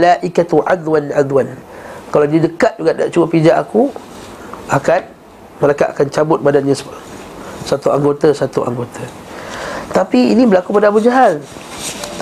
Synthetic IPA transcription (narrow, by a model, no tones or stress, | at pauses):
laʔikat̪uʕad̪wanʕad̪wankaladiadəkat̪̚d͡ʒuɡaʔda̰ʔt͡ʃuwapid͡ʒaʔaku | akan | məlajkaʔakant͡ʃabʊt̪̚badanɲa | sat̪uaŋɡot̪asat̪uʔa̰ŋɡot̪ʰa | t̪apiḭnĩbəlakupadabud͡ʒaɦal